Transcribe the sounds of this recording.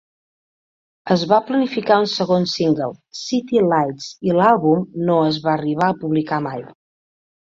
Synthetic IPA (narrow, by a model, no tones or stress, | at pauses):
əzβaplənifikaunsəɣonsiŋɡəlˠsit̪ilajtsilalˠβumnoəzβaəriβ̞aəpuβlikamaj